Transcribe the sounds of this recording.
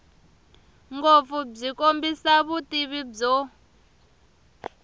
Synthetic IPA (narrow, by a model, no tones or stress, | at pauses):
ŋɡop̪fub͡ʐikombisaβutʼiβib͡ʐɔ